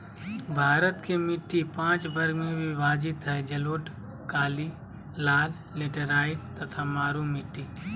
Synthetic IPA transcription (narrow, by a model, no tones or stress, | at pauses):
bʱaːɾət̪kemɪʈːipãːt͡ʃbɐɾɡmẽbʱibaːd͡ʒɪt̪ɦɛd͡ʒɐloːʈ | kaːli | laːlːeːʈəɾaːɪʈt̪ɐt̪ʰamaːɾumɪʈːiː